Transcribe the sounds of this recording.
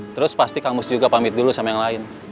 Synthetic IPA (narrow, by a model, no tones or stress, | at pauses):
t̪əɾʊspast̪ikamʊsd͡ʒuɡapamɪt̪̚dulusamajaŋlaɪn